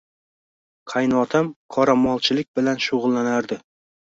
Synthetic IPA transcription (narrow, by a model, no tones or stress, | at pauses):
qʰɑjnɒt̪ʰamqʰɒɾamɒlˠt͡ʃʰɪlɪk̚ʲbɪlanʃoʁʊlˠːanaɾd̪ɪ